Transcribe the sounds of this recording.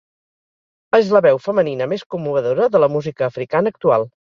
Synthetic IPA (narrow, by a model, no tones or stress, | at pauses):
ezləβɛwfəməninəmeskumːuβəðoɾəðələmuzikəːfɾikanəːk̚t̪ualˠ